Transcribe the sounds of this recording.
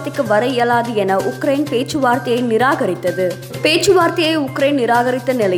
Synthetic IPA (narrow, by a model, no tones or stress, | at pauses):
t̪ːɪkːɯʋɐɾɐjelaːðɯɛnɐʔʊkɾɐɪnpeːt͡ʃɯʋaːɾt̪ɐjɐɪnɪɾaːɣɐɾɪt̪ːɐðɯ | peːt͡ʃːɯʋaːɾt̪ɐjɐɪʊkːɾɐɪnnɪɾaːɣɐɾɪt̪ːɐnɪlɐ